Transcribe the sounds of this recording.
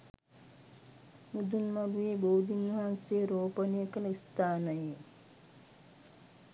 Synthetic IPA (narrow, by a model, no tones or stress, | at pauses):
mud̪unmɐɾujeːboːd̪ʱinʋɐɦanseːɾoːpɐnejəkənəist̪ʰaːnɐje